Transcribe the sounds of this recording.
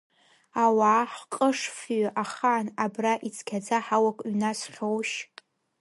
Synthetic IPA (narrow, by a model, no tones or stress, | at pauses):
awaːħqʼəʂfɥʔaχaːnabraʔit͡sʰkʲʰad͡zaħawakʼɥnasχʲowʃ